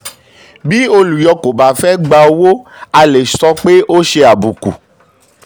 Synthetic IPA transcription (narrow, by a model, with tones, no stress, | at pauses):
bi˦o˧lu˨jɔ˧ko˨ba˨fɛ˦ɡ͡ba˧o˦wo˦a˨le˨sɔ˦k͡pe˦ʔo˦ʃe˦a˨bu˨kṵ˨